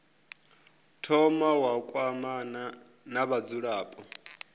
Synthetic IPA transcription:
tʰɔmawakʼwamana | naβad͡zuɺaːpʼɔ

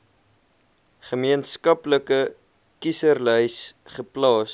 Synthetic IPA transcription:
χəmiənskɐpləkə | kisərlœjsχəplɑːs

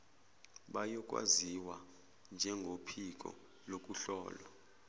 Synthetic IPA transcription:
ɓajɔk̬ʼwa̰ziwa | nd͡ʒʱɛŋɡʱopʰik̬ʼɔ̰ | lok̬ʼuɬɔːla

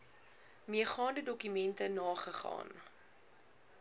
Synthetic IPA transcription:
miəχɑːndədɔkymɛntənɑːχəχɑ̰ːn

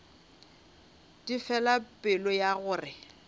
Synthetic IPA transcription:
difɛlapʼɪlɔjaɣʊːrɪ

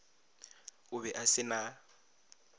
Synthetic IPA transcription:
ʊbɛʔasɪna

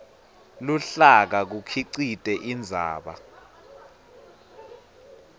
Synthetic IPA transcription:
luɬak̬ak̬ukʰiǀitʼɛʔind͡zʱa̰ːɓa̰

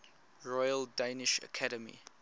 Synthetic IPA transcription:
ɹɔjəldenɪʃə̰kʰaɾəmḭ

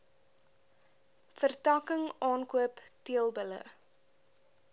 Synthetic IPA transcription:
fərtɑkəŋɑːnkuəptiəlˠbələ̰

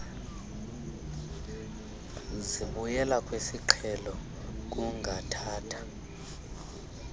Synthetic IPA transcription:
ziɓujɛlakʼwesiǃʰɛlɔ | k̬ʼuŋʱatʰaːtʰḁ

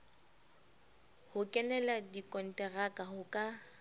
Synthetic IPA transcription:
hʊkʼɛnɛladikʼɔn̩tʼɛrakʼahʊkʼa

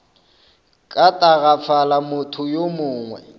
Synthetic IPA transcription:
kʼatʼaɣap̪fʰalamʊtʰʊjomʊːŋwɛ̰

